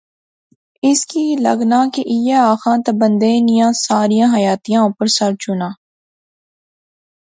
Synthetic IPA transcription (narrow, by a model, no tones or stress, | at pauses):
ɪskilɐɡnaːkiʔɪjeaːxãːt̪ɐbə̃nd̪eːnijãːsaːɾijãːɦɐjaːt̪ijãːʊ̃pəɾsɐɾt͡ʃʊnaː